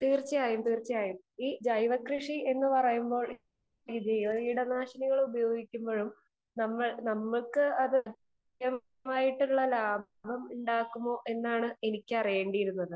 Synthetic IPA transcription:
t̪iːrt͡ɕːijaːjumt̪iːrt͡ɕːɐjaːjum | iːd͡ʑɐjʋɐkrɨʂie̞nːɨpɐrɐjumbo̞ːɭ | ɡid͡ʑejʋɐiːɽɐnaːʂɐniɣɐɭubɐjo̞ːɡikʲːumbo̞ːɻum | nɐmːɐɭnɐmːɐɭkɨɐðɨɐt̪ | jɐm | aːjiʈːuɭːɐlaː | bʱɐmuɳɖaːkːumːo̞ːʔe̞nːaːɳɨe̞nikʲːɨɐrijeːɳɖijiɾunːɐðɨ

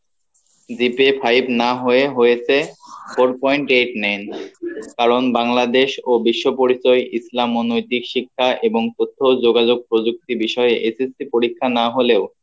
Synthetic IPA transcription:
d͡ʑipepʰajbnaɦoeɦojet͡ɕʰepʰoɾpɔjɳʈeʈnenkaɾonbaŋlad̪eʃobiʃːopoɾit͡ɕɔjʔislamonojt̪ikʃikʰːaʔeboŋt̪ot̪ʰːod͡ʑoɡad͡ʑoɡ̚pɾod͡ʑuk̚t̪ibiʃɔeʔesesipoɾikʰːanaɦoleʊ

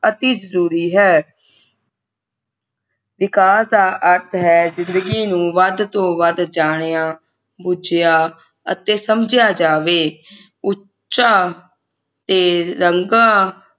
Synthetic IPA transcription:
ət̪iːzəɾuːɾiːɦɛː | ʋɪkaːsd̪aːʔəɾt̪ʰɦɛːzɪnd̪əɡiːnũːʋəd̪t̪õːʋəd̪d͡ʒaːɽ̃jãː | bʊd͡ʒjaː | ə̰t̪eːsəmd͡ʒjaːd͡ʒaːʋeː | ʊ | ʃaː | t̪eːɾəŋɡãː

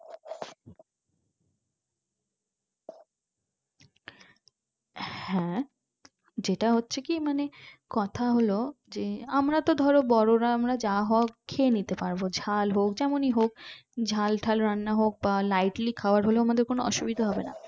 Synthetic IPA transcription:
hhɛ̃ | d͡ʑeʈaɦotːɕʰekimanekɔt̪ʰaɦolo | d͡ʑeamɾat̪od̪ʱɔɾobɔɾoɾaamɾad͡ʑaaɦɔakʰːenit̪epaɾbod͡ʑʱalɦok̚d͡ʑɛmoniɦokd͡ʑʱalʈʰalɾanːaɦok̚balajʈlikʰaoaɾɦoloamad̪eɾkonoɔ̰ʃubid̪ʱaɦɔbena̰

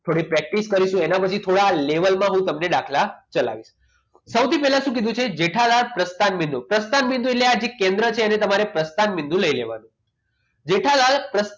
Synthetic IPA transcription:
t̪ʰoɽipɾɛk̚ʈiskəɾiʃũenapət͡ʃʰit̪ʰoɽaleʋəlmãɦũt̪əmneɖakʰlat͡ʃəla̰ʋiʃ | səwt̪ipɛɦlãʃũkid̪ʱũt͡ʃʰed͡ʒeʈʰalaɭpɾəst̪anbĩnd̪upɾəst̪anbĩnd̪ũetlead͡ʒekẽnd̪ɾət͡ʃʰeːnet̪əmaɾepɾəst̪anbind̪ũləilḛʋa̰nũ | d͡ʒeʈʰalalpɾəs

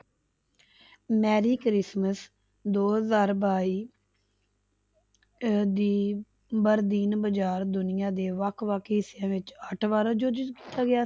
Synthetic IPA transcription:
mɛːɾiːkɾɪsməs | d̪oːɦəzaːɾbaːiː | d̪iː | bəɾd̪iːnbəd͡ʒaːɾd̪ʊnɪjãːd̪eːʋəkʰʋaːkʰːɦɪsːjãːʋɪt͡ʃəʈʰʋaːɾaːd͡ʒoːd͡ʒɪzki̥ːt̪aːɡɪaː

